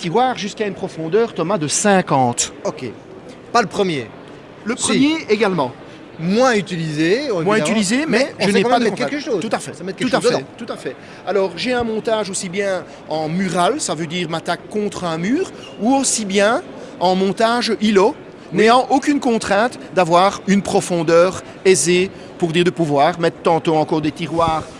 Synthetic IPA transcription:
k̪iʁwaːʁʒyskaynpχɔfɔ̃d̪œːʁt̪ɔmad̪əsɛ̃kɑ̃ːt̪okʲḛ | paləpχəmje | ləpχəmjeeɡalmɑ̃ | mwayt̪ilizemwayt̪ilizemɛʒ̃ənkpad̪əɛktkɛkəʃot̪ut̪afɛsamɛt̪kɛt̪ut̪at̪ut̪afɛ | alɔːʁʒeɛ̃mɔ̃t̪aʒosibjɛ̃ | ɑ̃myʁalsavød̪iːʁmat̪akːɔ̃t̪χɛ̃myːʁ | uosibjɛ̃ | ɑ̃mɔ̃t̪aʒilɔ | neɑ̃ʔokʲynkɔ̃t̪χɛ̃t̪ | d̪avwaːʁynpχɔfɔ̃d̪œːʁ | eze | puʁd̪iːʁd̪əpuvwaːʁmɛt̪χt̪ɑ̃t̪ɔ̃ɑ̃kɔːʁd̪et̪iʁwaːʁ

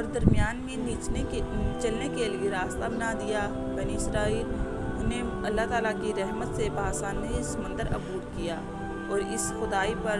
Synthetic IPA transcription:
ɔːɾd̪əɾmijaːnmẽnit͡ʃet͡ʃɐlnekelieɾaːst̪abənad̪ija | bəniɪsɾaːiːl | ɦneɐlːat̪aːlakiɾɛɦmət̪sebaːsaːnsəmə̃nd̪əɾɐ̰buːɾkijaː | ɔːɾɪsxʊd̪aːipɐɾ

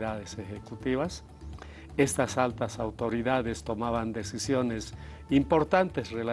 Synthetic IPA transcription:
ðaðesexekut̪iβas | e̞st̪asalt̪asawt̪o̞ɾiðaðest̪o̞maβand̪e̞sisjo̞ne̞s | impo̞ɾt̪ant̪esrela

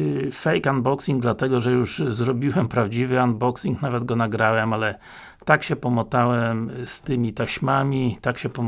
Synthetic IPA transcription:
fɛjkanbɔksiŋɡ̚d̪lat̪ɛɡɔʐɛjuʐzɾɔbʲiwɛmpɾavd͡ʑivɘand̪̚bɔksiŋknavɛd̪ɡɔnaɡɾawɛmalɛ | t̪akɕɛpɔmɔt̪awɛmst̪ɘmʲit̪aɕmamʲit̪akɕɛpɔ

